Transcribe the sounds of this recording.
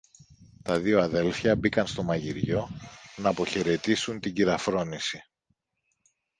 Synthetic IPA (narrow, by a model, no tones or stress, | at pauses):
t̪ɐðioɐðe̞lfçɐbikɐnst̪o̞mɐʝiɾʝo̞nɐːpo̞çe̞ɾe̞t̪isunt̪iɟiɾɐfɾo̞nisi